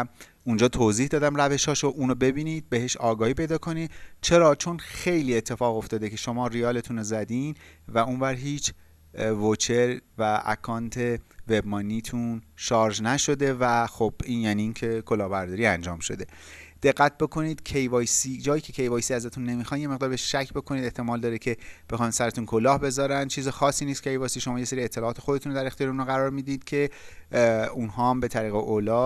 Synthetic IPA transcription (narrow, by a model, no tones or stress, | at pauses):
und͡ʒɒːt̪ʰoziːhd̪ɒːd̪æmræve̞ʃhɒːʃoʔuːnobe̞biːniːd̪̚beɦeʃɒːɡɒːhiːpe̞jd̪ɒːkʰo̞niːd̪t͡ʃʰe̞ɾɒːt͡ʃʰo̞nxe̞jliːe̞t̪ʰːe̞fɒːɣo̞ft̪ɒːd̪ecʰe̞ʃo̞mɒːɾiɒːle̞t̪ʰunozæd̪invæunvæɾɦiːt͡ʃʰ | vot͡ʃʰeɾvææ̰kʰɒːnt̪ʰe̞ve̞bmɒːniːt̪ʰunʃɒːɾʒnæʃo̞d̪e̞væxob̥iːnjæniːncʰe̞kʰo̞lɒːhbæɾd̪ɒːɾiːænd͡ʒɒːmʃo̞̰d̪e̞ | d̪̥e̞ɢːæt̪̚be̞kʰo̞niːd̪̥cʰejvɒːjsid͡ʒɒːjiːcʰe̞cʰe̞jvɒːjsiːæzæt̪ʰunːe̞mixɒːnjeme̞ɣd̪ɒːɾbeeʃʃæcʰbe̞kʰo̞niːd̪eht̪ʰe̞mɒːld̪ɒːɾecʰe̞b̥e̞xɒnsæɾet̪unkʰo̞lɒːhbe̞zɒːɾænd̪t͡ʃʰiːzexɒːsːiːnist̪kcʰe̞jvɒjsiːʃomɒːje̞se̞ɾiet̪ʰːe̞lɒːt̪ʰe̞xo̞d̪eunɾod̪æɾext̪iɒɾunoɣæɾɒːɾmiːd̪iːd̪̥cʰe̞ | unɦɒːæmbe̞t̪ʰæɾiːɣeʔolɒː